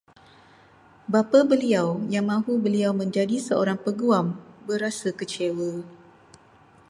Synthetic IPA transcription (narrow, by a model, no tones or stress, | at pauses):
bapabəliawjaŋmãɦubəliawmə̃ɲd͡ʒadisəo̰ɾaŋpəɡuambəɾasakət͡ʃewə